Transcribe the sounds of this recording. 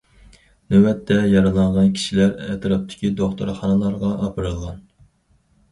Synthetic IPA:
nøwɛt̪ʰːɛjɑɾɨlˠɑɴʁɑnkʲʰi̥ʃilæɾɛt̪ʰɾɑp̚t̪ʰɪ̥kʲid̪oχt̪ʰṵɾχɑnɨlˠɑɾʁɑʔɑpʰɨɾɨlˠʁɑn

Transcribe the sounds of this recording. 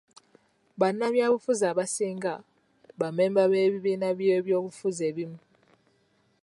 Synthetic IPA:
βanaβjaβufuzaβasiːŋɡa | βamembaβeβiβinaβjeβjoβufuzeβimu

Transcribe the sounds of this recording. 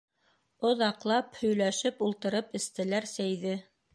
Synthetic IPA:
ŏðɑqlˠɑphɵ̆jlæʃɘpulˠt̪ɤ̆ɾɤpɘ̆st̪ɘ̆læɾsæjðɘ

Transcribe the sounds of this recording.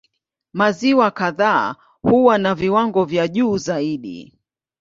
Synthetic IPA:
maziwakaða̰ː | huwanaviwaŋɡɔvjaʄuːzaiɗḭ

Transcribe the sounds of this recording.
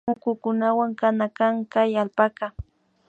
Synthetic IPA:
ʊkʊkʊnawaŋkanakaŋkajalpaka

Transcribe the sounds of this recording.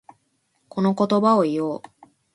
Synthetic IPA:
ko̞no̞ko̞t̪o̞bao̞ijoː

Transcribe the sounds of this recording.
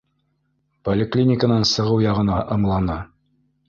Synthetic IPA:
polʲɪklʲinʲɪkənɑnsɤ̆ʁɤwjɑʁɤ̆nɑʔɤ̆mlˠɑnɑ

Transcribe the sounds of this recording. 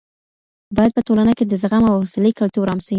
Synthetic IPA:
bɑjad̪̚pəʈolanəked̪əzaɣamawhʊsɪlikalt̪uɾɑmsai

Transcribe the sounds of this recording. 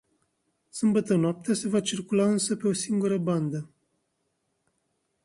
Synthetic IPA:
sɨmbət̪ənoap̚t̪ease̞vat͡ʃirkulaɨnsəpe̞o̞siŋɡuɾəband̪ə

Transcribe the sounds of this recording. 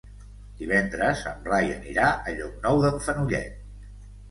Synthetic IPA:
d̪̥iβɛnd̪ɾəzəmrajənḭɾaʔəʎɔk̚nɔwðəɱfənuʎɛ̰t̪̚

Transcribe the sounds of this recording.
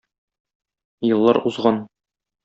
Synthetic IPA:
jɤ̆lˠːɑɾuzʁɑn

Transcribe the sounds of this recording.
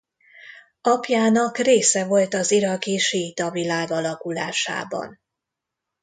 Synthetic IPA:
ɒpjaːnɒkreːsɛvo̞lt̪ɒziɾɒkiʃiːt̪ɒvilaːɡɒlɒkula̰ːʃa̰ːbɒ̰n

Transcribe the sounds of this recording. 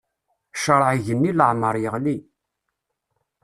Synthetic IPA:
ʃəɾˤʕʝənːiləʕməɾˤjəʁli

